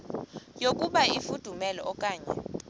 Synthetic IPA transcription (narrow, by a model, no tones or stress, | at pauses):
jokʼuɓaifud̥ʱumɛlɔ̰ɔkʼaːɲɛ̰